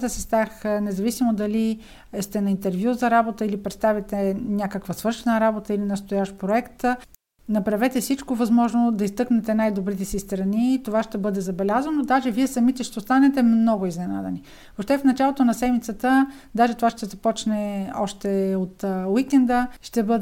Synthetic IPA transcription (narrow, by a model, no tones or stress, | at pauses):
t̪əsist̪axnɛzɐvisimod̪ɐli | st̪ɛnɐint̪ɛɾvjuzɐɾabot̪əilipɾɛt̪st̪avit̪ɛnʲakəkvəsvɤɾʃɛnəɾabot̪əilinɐst̪ʊjaʃtpɾoɛkt̪ | nɐpɾɐvɛt̪ɛfsit͡ʃkovɐzmɔʒnod̪ɐist̪ɤknɛt̪ɛnajd̪obɾit̪ɛsist̪ɾɐnit̪ovaʃt̪ɛbɤd̪ɛzɐbɛlʲazvənod̪aʒɛviɛsɐmit̪ɛʃt̪ɛost̪anɛt̪ɛmnɔɡʊiznɛna̰d̪ɛ̰ni | voʃt̪ɛfnɐt͡ʃalˠot̪onɐsɛmit̪sət̪ə | d̪aʒɛt̪ovaʃt̪ɛzɐpɔt͡ʃnɛɔʃt̪ɛot̪wikɛnd̪əʃt̪ɛbɤd̪ɛ